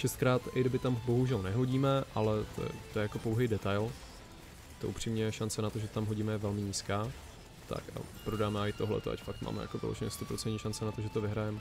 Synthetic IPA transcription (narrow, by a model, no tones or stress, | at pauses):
ʃɛst̪kɾaːt̪ʔɪɡdɪbɪt̪ambo̞ɦuʒɛlnɛɦo̞ɟiːmɛʔalɛt̪o̰jɛ̰t̪ojɛjako̞powɦɛjdɛt̪ajl | t̪oʔupr̥imɲɛʃant͡sɛnat̪o̞ʒɛt̪amɦoɟiːmɛjɛvɛlmɪɲiːskaː | t̪a̰ka̰pɾodaːmɛaɪt̪o̞ɦlɛ̰t̪oʔa̰cfakt̪ma̰ːmɛ̰ja̰kovɪ̰lo̰ʒɲɛ̰st̪opɾot͡sɛntɲiːʃant͡sɛnat̪o̞ʒɛt̪ovɪɦɾajɛm